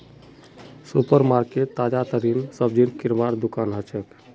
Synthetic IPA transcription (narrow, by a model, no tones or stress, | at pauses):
supəɾmaɾket̪ːaːd͡ʒat̪əɾinsəb̚d͡ʒinkiɾmaɾd̪ukaːnɦət͡ʃʰək